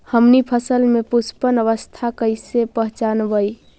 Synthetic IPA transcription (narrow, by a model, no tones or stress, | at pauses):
həmnipʰəsəlmepuspənəʋəst̪ʰakəɪsepəɦt͡ʃanbəj